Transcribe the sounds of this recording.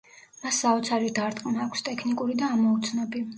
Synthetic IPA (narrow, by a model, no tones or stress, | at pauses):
masːaɔt̪sʰaɾid̪aɾt̪ʼqʼnaːkʷʰst̪ʼɛkʰnikʼuɾid̪aːmɔut̪sʰnɔbi